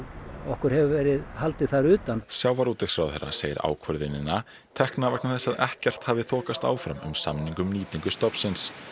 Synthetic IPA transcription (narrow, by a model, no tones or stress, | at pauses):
ɔhkʏɾ̥hɛvʏvɛːɾɪðhalt̪ɪ̥θaɾʏːt̪ansjaːwvaɾuːt̪ɪsfɾawθɛɾːa̰seːjɪ̰ɾa̰ːwkʰvœɾðɪnɪnːa | t̪ʰɛhknavɛknaθɛsːaðɛhcɛr̥t̪haːvɪθʰɔːkast̪a̰ːwfɾa̰mʏ̰msamniŋkʏmniːt̪iŋkʏst̪ɔpsɪns